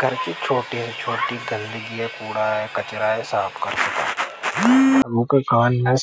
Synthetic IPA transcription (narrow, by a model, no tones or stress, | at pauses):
ɡʱɐɾkit͡ʃʰoːʈiɛt͡ʃʰoːʈiɡɐ̃nd̪əɡiɦɛkuːɽaɦɛkɐt͡ʃɾaɦɛsaːpʰkɐɾsɐka̰ː | ɐɡũkakaːnɦɛ̃